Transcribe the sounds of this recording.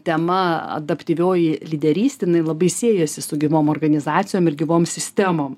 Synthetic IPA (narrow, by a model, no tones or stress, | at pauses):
t̪ʲɛmɐɐ̰d̪ɐpʲt̪ʲiʋʲoːjɪlʲid̪ʲɛɾʲiːst̪ʲɪjɪnɐɪlˠɐbɐɪsʲiːjɛsʲɪsʊɡʲɪʋoːmɔːrɡɐnʲɪzɑːt̪sʲɪjoːmɪɾɡʲɪʋoːmsʲɪsʲt̪ʲɛmoːm